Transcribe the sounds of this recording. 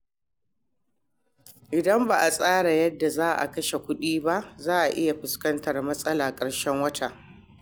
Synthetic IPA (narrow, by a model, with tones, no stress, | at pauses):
ʔɪ˨dɐ˦mba˨ʔa˨sʼaː˦ɽa˨jɐ˦dːa˨zaː˦ʔa̰˨kɐ˦ʃe˨kʷʊ˦ɗiː˦ba˦ʔzaː˦ʔa˨ʔɪ˦ja˨ɸɪ˨skɐ˦ntɐ˨rmɐ˦sʼɐ˦laː˨kʼɐ˨ɽʃɛ˦ŋwɐ˦ta˨